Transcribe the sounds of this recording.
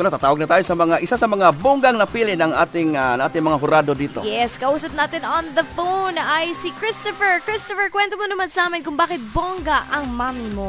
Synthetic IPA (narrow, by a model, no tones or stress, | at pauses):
nat̪aːt̪aːwaɡ̚nɐt̪aːjosɐmɐŋaʔɪsasɐmɐŋaboŋɡaŋnɐpilɪnɐŋaːt̪ɪŋnaŋʔaːt̪ɪŋmɐŋaɦʊɾad̪od̪iːt̪ojɛskɐʔuːsɐp̚naːt̪ɪnonðɐfownɐjsikɹɪst̪ofɛɹkɹɪst̪ofɛɹkwɛnt̪omonɐmansɐaːmɪnkʊŋbaːkɪt̪̚boŋɡɐʔɐŋmaːmimo